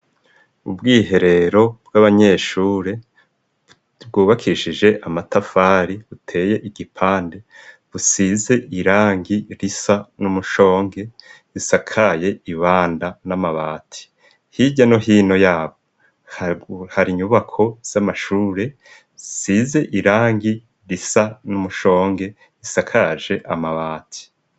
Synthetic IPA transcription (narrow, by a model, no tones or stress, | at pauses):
ṵbɡiːɦe̞ɾe̞ɾo̞bɡaβaɲe̞ʃuːɾe̞ | bɡuːβakʰiʃid͡ʒe̞ʔamatafaːɾiβutʰe̞ːje̞ʔiɡipʰaːnde̞ | βusize̞ʔiɾaːŋɡiɾisanumuʃo̞ːŋɡe̞ | ɾisakʰaje̞iβaːndanamaβaːtʰi̥ | hiɟanoɦiːno̞jaːβo | haɾiɲuβakʰo̞z̥amaʃuːɾe̞ | size̞ʔiɾaːŋɡi | ɾisanumuʃo̞ːŋɡe̞ | ɾisakʰaʒe̞ʔamaβaːtʰi̥